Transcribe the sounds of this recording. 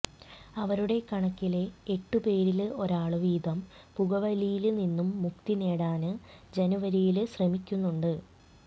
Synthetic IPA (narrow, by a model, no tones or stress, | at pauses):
ɐʋɐɾuɽe̞kɐɳɐkːile̞eʈːupe̞ːɾilɨo̞ɾaːɭɨʋiːd̪ɐm | puɣɐʋɐlijilninːumːuk̚t̪ine̞ːɽaːnɨd͡ʑenuʋɐɾijilɨɕrɐmikʲːunːuɳɖɨ